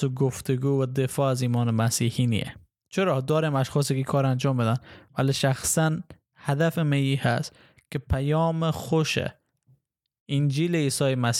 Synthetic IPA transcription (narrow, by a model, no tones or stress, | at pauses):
oɡoft̪eɡuːvad̪efɒːaziːmɔːnemæsiːhinḭḛ | t͡ʃʰeɾɒd̪ɒːɾemaʃxɔːs̬ikikʰɒːɾand͡ʒɒːmbed̪anvæliʃaxsan | had̪afɪmeiːhæ̰st̪ | kepʰajɔːmexoʃḛ | ind͡ʒiːleisɒːjemas